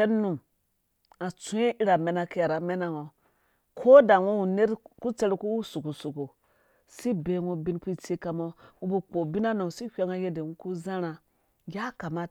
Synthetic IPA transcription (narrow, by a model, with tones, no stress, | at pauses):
e˦nːu˨m | a˨t͡su˦e˦i˦ɾa˨me˨˦na˦ki˦ja˨ɾa˨me˦na˦ŋo˨ | kʰo˦da˨ŋo˦u˨ne˦ɾku˦t͡se˦ɾku˦wu˦su˨ku˨su˨ku˨ | si˦be˨ŋo˦bi˦nku˦˨t͡se˦ka˨mo˦ŋu˦bu˨k͡po˨bi˦na˦no˨si˦kʲʷe˦ŋa˦je˦de˨ŋu˦ku˦za˦ɾa˨ | ja˦ka˨ma˦